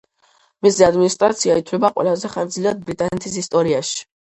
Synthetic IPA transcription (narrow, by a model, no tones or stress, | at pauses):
misɛad̪minist̪ʼɾa̰t̪sʰiait̪ʰlɛbaqʼwɛ̰lazɛχaɾd̪zliad̪̚bɾit̪ʼanɛt̪ʰisist̪ʼɔɾiaʃi̥